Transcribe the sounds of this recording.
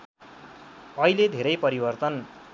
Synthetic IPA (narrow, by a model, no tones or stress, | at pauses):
ʌɦiled̪ʱeɾʌjpʌɾibʌrt̪ʌn